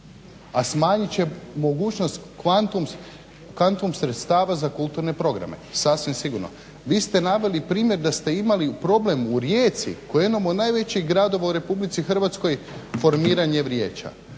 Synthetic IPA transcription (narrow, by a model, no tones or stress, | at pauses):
asmaːɲit͡ɕe̞mo̞ɡuːt͡ʃnost̪kant̪um | kʋant̪umsɾe̞t̪st̪aːʋazakulˠt̪uɾne̞pɾo̞ɡɾa̰me̞̰sasʋimsiɡuɾno̰ | ʋiːst̪e̞naʋe̞lipɾiːmje̞ɾd̪ast̪e̞imalipɾo̞ble̞muɾjeːt̪sḭkojeimamonajʋe̞t͡ɕiɣɡɾad̪o̞ʋauɾe̞publit̪sixr̩ʋat̪sko̞jfo̞ɾmiːɾaɲe̞ʋɾjeːt͡ʃa̰